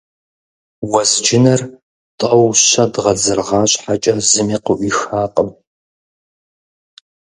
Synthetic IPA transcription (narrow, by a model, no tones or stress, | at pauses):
wɐzd͡ʒɪnɐr | tʼɐwɕɐdʁɐd͡zɨrʁɑːɕʼħat͡ʃʼɐzɨmiːqəʔʷiːxaːqʼəm